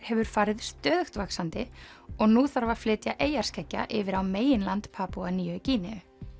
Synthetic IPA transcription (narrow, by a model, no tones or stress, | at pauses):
hɛvʏɾ̥faːɾɪðst̪œːðʏxt̪vaksant̪ɪ | ɔɣnuːθaɾvaɾ̥flɪːt̪jaʔeːjar̥skʰɛcːa̰ʔɪvɪɾawmeːjɪnlant̪pʰaːpuaniːʏciːnɛʏ